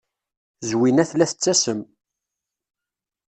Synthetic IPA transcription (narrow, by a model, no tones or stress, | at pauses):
zwinæθlæθə̥t͡sːæsəm